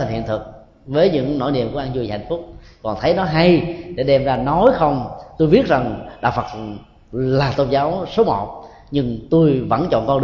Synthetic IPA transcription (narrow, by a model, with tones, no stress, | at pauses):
j̟hḭ˧˨ənt̪ʰɨ˨˩k̚ | vəː˨˦jɲɨ̰˧˥ŋno̰˧˥jnḭ˧˨əmku˧˩əʔaː˧nzu˧jha̰˧˨jŋ̟fʊ˦˥k͡p̚kɔ˨˩nt̪ʰə˨˦jnɔ˨˦ɦa˧jɗe˧˩ɗɛ˧mzaː˧nɔ˨˦jxə˧wŋ͡mt̪o˧jvi˦˥ət̚za˨˩ŋɗa̰ː˧˨˩wfə˨˩t̚ | laː˨˩t̪o˧ŋ͡mzaː˨˦wso˨˦mɔ̰˧˨ | ɲɨ˧ŋt̪u˧jvə̰˧˥nt͡ɕɔ̰˧˨nkɔ˧ɗɨ˧